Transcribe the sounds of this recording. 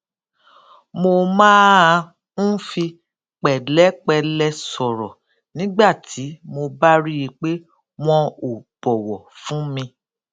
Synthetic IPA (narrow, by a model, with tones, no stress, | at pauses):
mo˧mãː˦˧ | n̩˦fi˧ | k͡pɛ˨lɛ˨˦k͡pɛ˧lɛ˧sɔ˨ɾɔ˨ | nĩ˦ɡ͡ba˦˨tʰi˨˦mo˧ba˦ɾi˦ji˧k͡pe˦ | m̃ɔ̃˧o˨b̥ɔ˨wɔ˨fũ˨˦mĩ˧